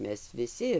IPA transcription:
ˈmʲɛs ʋʲɪˈsʲɪ

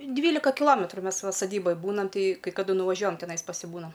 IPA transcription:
ˈdʲʋʲiːlʲɪkɐ kʲɪˈlˠoːmʲɛtrʊ ˈmʲɛs ˈʋɐ sɐˈdʲiːboːj ˈbuːnɐm ˈtɐɪ kɐɪ kɐˈdʊ nʊʋɐˈʒʲuɔjɛm tʲɛˈnɐɪs pɐsʲɪˈbuːnɐm

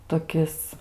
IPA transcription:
toːˈkʲɪs

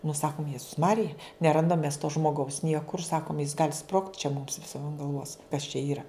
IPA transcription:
nʊ ˈsɑːkʊm ˈjæːzʊs ˈmɑːrʲɪjɛ nʲɛˈrɐndɐm mʲɛs toː ʒmoːˈɡɐʊs ˈnʲiɛkʊr ˈsɑːkʊm jɪs ɡɐlʲ sproːktʲ t͡ʃʲɛ mʊms ʋʲɪˈsʲiɛm ɐn ɡɐlˠˈʋoːs kɐs t͡ʃʲɛ ˈiːrɐ

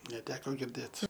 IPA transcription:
nʲɛˈtʲæːkoː ɡʲɪrʲˈdʲeːt

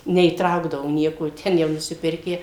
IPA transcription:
nʲɛiːˈtrɐʊɡdɐʋoː ˈnʲiɛkoː ˈtʲɛn jɛʊ nʊsʲɪˈpʲɪrʲkʲæː

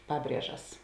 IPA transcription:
ˈpɑːˌbʲrʲiɛʒɐs

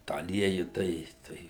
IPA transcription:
tɑː ɐˈlʲiɛjʊ ˈtɐɪ ˈtɐɪ

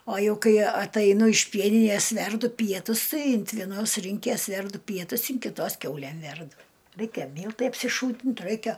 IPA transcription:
oː ˈjɛʊ ˈkɐɪ ɐtɐɪˈnʊ ɪʃ ˈpʲiɛnʲɪnʲeːs ˈʋʲɛrdʊ ˈpʲiɛtʊs ˈtɐɪ ɪnt ʋʲiɛˈnoːs ˈrʲiːŋʲkʲeːs ˈʋʲɛrdʊ ˈpʲiɛtʊs ɪn kʲɪˈtoːs ˈkʲɛʊlʲæm ˈʋʲɛrdʊ ˈrʲɛɪkʲɛ ˈmʲiːlˠtɐɪ ɐpʲsʲɪˈʃuːtʲɪnt ˈrɐɪkʲɛ

